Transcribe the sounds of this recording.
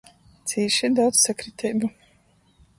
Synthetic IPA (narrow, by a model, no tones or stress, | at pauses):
sʰiʃɛd̪awt̪sakʰɾit̪ʰɛbu